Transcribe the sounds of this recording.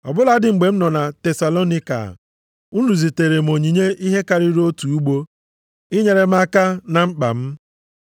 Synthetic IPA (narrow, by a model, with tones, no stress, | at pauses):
ɔ̰˨bʊ˦la˦dɪ˨ŋ͡m̩˨ɡ͡be˨m̩˦nɔ˨na˨te˨sa˨lo˦ni˦ka̰˨ | u˦nu˨zi˨te˨ɾe˨m˨o˨ɲi˨ɲe˦ʔi˦ɦe˦ka˨ɾi˦ɾo˦tu˨u˦ɡ͡bo˦ | i˦ɲe˨ɾe˦m̩˦a˦ka˦na˨ŋ͡m̩˦k͡pa̰˨m̩˦